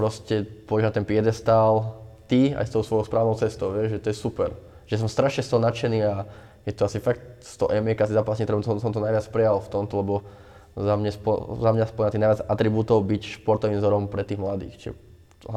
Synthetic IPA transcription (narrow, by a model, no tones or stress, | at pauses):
pɾɔscɛpɔɔɟɛɦnat̪ɛnpɪɛd̪ɛst̪aːlt̪ia̰jst̪ɔʊsʋɔjɔʊspɾaːʋnɔʊt͡sɛst̪ɔʊʋɪɛʒʒɛt̪ɔjɛsupɛɾ | ʒɛas̬ɔmst̪ɾaʃɲɛst̪ɔɦɔnat͡ʃɛniːa | jɛt̪ɔasifak̚t̪st̪ɔɦʔɛmiɛkaasizapasɲɛt̪ɾɛmt̪ɔsɔmt̪ɔnajʋat͡spɾɛjalft̪ɔmt̪ɔlɛbɔ | zamɲɛspɔzamɲaspɔɛɲnat̪inajat͡sat̪ɾibuːt̪ɔʊbicʃpɔɾt̪ɔʋiːmzɔɾɔmpɾɛt̪iːɣmlad̪ḭːxt͡ʃɛ̰